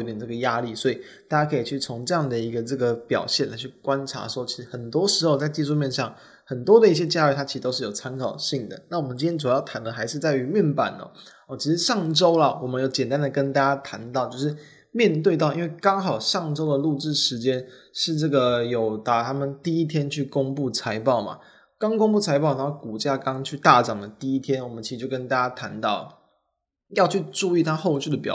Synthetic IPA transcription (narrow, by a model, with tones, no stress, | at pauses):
o˧˥t̪ʈ͡ʂə˥˩ɡə˩ja˦˥li˥˩swɔ˧˥i˨˩ | t̪a˥˩t͡ɕja˥kʰɤ˧˥i˨˩t͡ɕʰy˥˩t͡sʰo˧˦ŋʈ͡ʂɤ˥˧jɑ˥˨˩ŋd̪ə˩i˧˥ɡə˧ʈ͡ʂɤ˥˩ɡə˩pjɑ̰˨˩ʊɕjɛ˥˩nla˧˥ɪt͡ɕʰy˥˩kwa˦nʈ͡ʂʰa̰˧˥ʂwɔ˥t͡ɕʰi˧˥ʂɻ̩˧˥xə˨˩nt̪wɔ˥ʂɻ̩˧˥xo˥˧ʊt͡sa˥˧ɪt͡ɕi˥˧ʂu˥˧mjɛ˥˧nʂɑ˥˩ŋ | xə˨˩nt̪wɔ˥d̪ə˨i˥˩ɕjɛ˥t͡ɕja˥˧y˥˩t̪ʰa˥t͡ɕi˧˥ʂ̩˧˩t̪o˥ʊʂɻ̩˥˩o˨˩ʊt͡sʰa˥nkʰɑ˨˩ʊɕi˥˩ŋd̪ə̰˩na˥˩wɔ˨˩mə˦t͡ɕĩ˥njɛ˥t͡s̬u˨˩˦jɑ˥˩ʊt̪ʰa˧˥nd̪ə˨xa˧˥ɪʂɻ̩˥˧t͡sa˥˩ɪy˧˥mjɛ˥˩npa̰˨˩nɔ̰˨˦ | ɔ˥˩t͡ɕʰi˧˥ʂɻ̩˧˥ʂɑ˥˩ŋʈ͡ʂo˥ʊlɐ˨wɔ˨˩mə˦njo˧˩ʊt͡ɕjɛ˨˩nt̪a˥nd̪ə˨˩kə˦nt̪a˥˩t͡ɕa˥t̪ʰa˧˥nt̪ɑ˥˩ʊt͡ɕjo˥˧ʊʂɻ̩˥˩ | mjɛ˥˧nt̪we˥˧ɪt̪ɑ˥ʊi˦nwe˥˩ɪkɑ˥ŋxɑ˨˩ʊʂɑ˥˩ŋʈ͡ʂo˥ʊd̪ə˨lu˥˧ʈ͡ʂɻ̩˥˩ʂɻ̩˧˥t͡ɕjɛ˦˥n | ʂɻ̩˥˧ʈ͡ʂɤ˥˩ɡə˩jo˨˩ʊt̪a˨˩t̪ʰa˥mə˨nt̪i˥˩i˥t̪ʰjɛ˥nt͡ɕʰy˥˩ko˥ŋpu˥˩t͡sʰa˧˥ɪpɑ˥˩ʊma̰˩ | kɑ˥ŋko˥ŋpu˥˩t͡sʰa˧˥ɪpɑ˥˩ʊna˧˥˧ku˨˩t͡ɕja˥˩kɑ˦˥ŋt͡ɕʰy˥˧t̪a˥˩ʈ͡ʂɑ˨˩ŋlə˩t̪i˥˩i˥t̪ʰjɛ˥nwɔ˨˩mə˦nt͡ɕʰi˧˥ʂ̩˧t͡ɕjʊkə˥nt̪a˥˩t͡ɕja˥t̪ʰa˧˥nt̪ɑ˥˩ʊ | jɑ˥˧ʊt͡ɕʰy˥˧ʈ͡ʂu˥˧i˥˩t̪ʰa˥xo˥˧ʊt͡ɕʰy˥˩d̪ə˩pjɑ̰˨˩